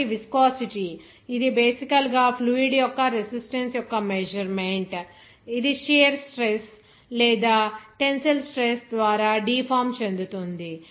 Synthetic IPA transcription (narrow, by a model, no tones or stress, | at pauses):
iʋiskaːsiʈi | id̪ibeːsikɐlɡaːpʰluːiɽjɔkːɐɾesisʈensjɔkːɐmed͡ʒɐɾmeɳʈ | id̪iʃeːɾsʈɾes | lɛːd̪aːʈensɐlsʈɾesd̪ʋaːɾaːɖiːpʰaːmt͡ʃe̞nd̪ut̪ond̪i